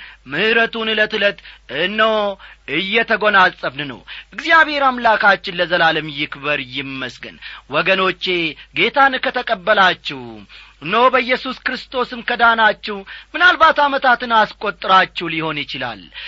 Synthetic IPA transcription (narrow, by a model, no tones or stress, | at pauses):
mɨhɨɾət̪unɨlət̪ɨlət̪ɨnːəwɨjːɛt̪ʰəɡo̞nalsʼəbnɨnə̰wʔɨɡzijaβhe̞ɾamlakʰat͡ʃːɪnləzəlalɨmjɪkbəɾjɪmːəsɡə̰nwɔɡəno̞t͡ʃːe̞ɡe̞t̪ʰankʰət̪ʰəkʼəbːəlat͡ʃːɛw | nːəwbəjːɛsuskɾɨst̪ʰo̞sɨmkəd̪anat͡ʃːɛhmɨnalbat̪amət̪ʰat̪ɨnaskʼo̞t̪ʼːɨɾat͡ʃːɛwliho̞njɪt͡ʃɪla̰l